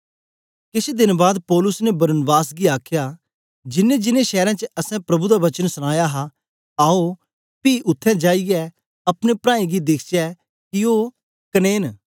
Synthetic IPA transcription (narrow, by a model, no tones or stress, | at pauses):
kɪsed̪ɪnbaːd̪pɔːlʊsnebɐɾənbaːsɡiaːkʰjaː | d͡ʒɪnːẽd͡ʒɪnẽʃɛːɾãːt͡ʃəɐsɛ̃pɾɐbud̪aʋɐt͡ʃənsʊɽ̃aːjaɦa | aːo | piːʔʊt̪ʰːɛ̃d͡ʒaːiɡɛ | ɐpñepɾãːĩɡid̪ɪkʰt͡ʃɛ | kɪoː | kəneːn